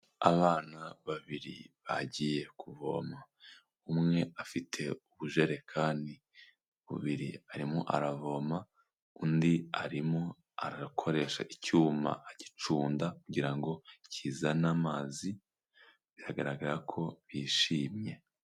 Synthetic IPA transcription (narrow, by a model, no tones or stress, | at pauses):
a̰βaːnaβaβiɾḭβa̰ɟije̞kuvo̞̰ma | umŋe̞afitʰe̞uβuʒe̞ɾe̞kʰaːndi | βṵβiɾḭaɾimoʔa̰ɾavo̞ma | undiaɾimo | aɾakʰo̞ɾe̞ːʃa̰ʔicuːma̰ːɟi̥t͡ʃuːndakuɟiɾaŋɡo̞cʰiːzanamaːzi | βiɾaɡaɾaɡaɾakʰo̞βiːʃiːmɲe̞